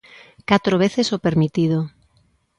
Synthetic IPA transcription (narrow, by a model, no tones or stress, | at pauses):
kat̪ɾoβ̞eθesopeɾmit̪ið̞o